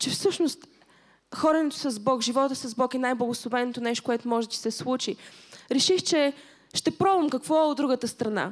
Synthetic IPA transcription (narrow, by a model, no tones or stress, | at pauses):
t͡ʃɛfsɤʃnost̪ | xɔɾɛnɛt̪o̥sɐzbɔkʒivɔt̪əsɐzbɔkɛnajblˠəɡoslˠovɛnot̪onɛʃt̪o̥kʊɛt̪omɔʒɛd̪ɐsɛslˠut͡ʃiɾɛʃixt͡ʃɛ | ʃt̪ɛpɾɔbəmkɐkvɔɛod̪ɾuɡət̪əst̪ɾɐna̰